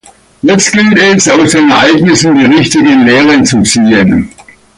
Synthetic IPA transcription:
jɛstɡ̥ɪltɛsaʊsd̥eːnɛɐʔaɪɡnɪsn̩diːʁɪçtɪɡənleːʁənt͡sut͡siːən

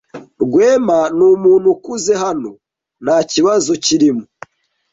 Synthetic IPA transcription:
ɾɡweːmanuːmuːn̥hukuze̞ɦano̞ | naːciβazo̞ciɾimu

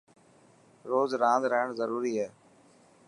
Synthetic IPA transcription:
ɾoːzɾãːnd̪ɾəɦəɳzəɾuːɾiːɦɛː

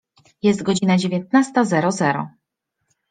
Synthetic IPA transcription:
jɛst̪̚ɡɔd͡ʑinad͡ʑevʲjɛnt̪̚nast̪azɛɾɔzɛɾɔ̰

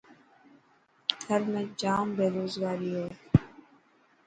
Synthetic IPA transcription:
ɡʰʱəɾmẽːd͡ʒaːmbeːɾoːzɡaːɾiːɦɛː

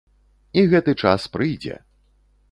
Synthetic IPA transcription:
iɣɛt̪ɨt͡ʂa̰spɾɨjd͡zʲɛ̰

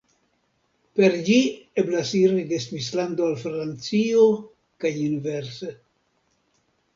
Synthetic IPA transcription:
pe̞ɾd͡ʒieblasiɾidesvislandoalfɾant͡sio | kajinveɾse

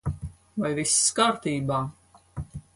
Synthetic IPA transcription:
vajvisskaːɾt̪iːbaː

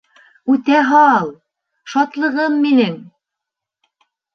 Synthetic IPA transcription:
ʉt̪æɦɑlˠ | ʃɑt̪lˠɤ̆ʁɤmːinɘŋ

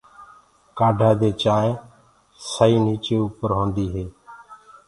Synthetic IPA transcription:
kaːɖʱaːd̪eːt͡ʃaːẽː | səiːniːt͡ʃeːuːpəɾɦõːnd̪iːɦeː

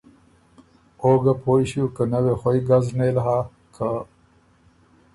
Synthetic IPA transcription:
oːɡapʰojɕukənəwexojɡaznelɦa | kʰa

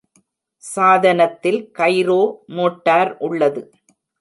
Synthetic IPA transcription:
saːðɐnɐt̪ːɪlkɐɪɾoːmoːʈːaːɾʔʊɭːɐðɯ

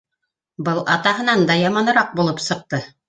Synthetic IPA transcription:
bɤlˠʔɑt̪ɑɦɤ̆nɑnd̪ɑjɑmɑnɤ̆ɾɑq̚bulˠɤpsɤ̆q̚t̪ɤ

